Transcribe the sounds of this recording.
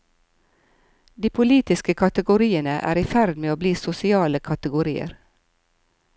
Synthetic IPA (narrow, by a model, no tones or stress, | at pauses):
d̪iːpʰʊliːt̪ɪskəkʰɑt̪əɡʊɾiːənəʔæ̰ːɾiːfæɾd̪meːoːbliːsʊsɪɑːləkʰɑt̪əɡʊɾiːə̰ɾ